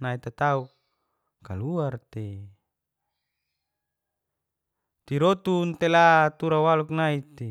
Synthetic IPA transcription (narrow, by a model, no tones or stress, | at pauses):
nait̪at̪auk | kaluart̪e | t̪iɾot̪unt̪elat̪uɾawaluknait̪e